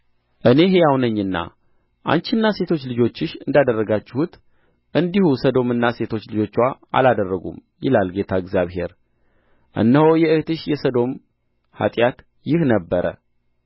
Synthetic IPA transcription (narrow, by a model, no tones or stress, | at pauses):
ʔɨne̞ɦejawnəɲːɨnːa̰ | ʔa̰nt͡ʃɪnːase̞t̪ʰo̞t͡ʃːlɨd͡ʒo̞t͡ʃːɪʃɨnd̪ad̪ərːəɡat͡ʃːɪhut̪ | ʔɨnd̪ihusəd̪o̞mɨnːase̞t̪ʰo̞t͡ʃːlɨd͡ʒo̞t͡ʃːwaa̰lad̪ərːəɡṵm | jɪ̰lalɡe̞t̪ʰaɨɡzjaβɦe̞ɾ | ʔɨ̰nːəhojɛɨht̪ɨʃjɛsəd̪o̞m | ha̰t̪ʼjat̪ | jɪhnəbːəɾə̰